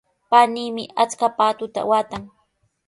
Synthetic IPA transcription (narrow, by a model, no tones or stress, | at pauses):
paniːmɪat͡skapaːt̪ʊt̪a̰waːt̪aŋ